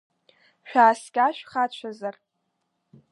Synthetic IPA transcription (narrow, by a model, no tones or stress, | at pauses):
ʃᶣaːskʲaʃᶣχat͡ʃʷʰazar